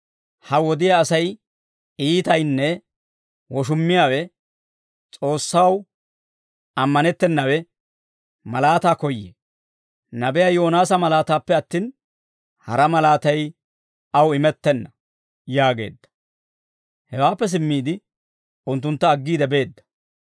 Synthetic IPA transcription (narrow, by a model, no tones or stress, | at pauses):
hɐwɔd̪ɪjaːsɐj | iːt̪ɐjnːɛ | wɔʃ̬ʊmːɪjaːwɛ | t͡sʼo̞ːsːaw | ɐmːɐnɛt̪ːɛnːɐwɛ | mɐlaːt̪aːkɔjːḛ | nɐbɛjaːjo̞ːnaːsɐmɐlaːt̪aːpːɛɐt̪ːiːn | hɐɾɐmɐlaːt̪ɐj | ɐwɪmɛt̪ːɛnːɐ | jaːɡe̞̰ːd̪ːɐ̥ | hɛwaːpːɛs̬ɪmːiːd̪ɪ | ʊnt̪ːʊnt̪ːɐːɡːiːd̪ɛbe̞ːd̪ːɐ̥